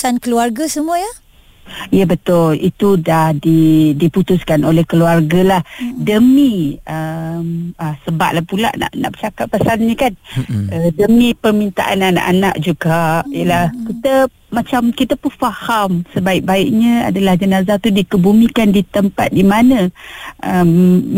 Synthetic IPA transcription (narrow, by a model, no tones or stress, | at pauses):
sankəluarɡasəmuəjə | ijəbət̪ʊlḭt̪udahdidiput̪ʊskanolɛhkəluarɡalahdəmiəməsəba̰ʔ̚lahpula̰ʔna̰ʔna̰ʔbət͡ʃakat̪̚pasanɲəkanədəmĩpərmint̪a̰ʔa̰nana̰ʔana̰ʔd͡ʒuɡaʔijəlahkit̪ə | mat͡ʃamkit̪əpʊnfahamsəbaɪʔ̚baiʔɲə̃a̰dalahd͡ʒənazat̪udikəbumĩkandit̪əmpa̰t̪̚dimanə̃ʔəm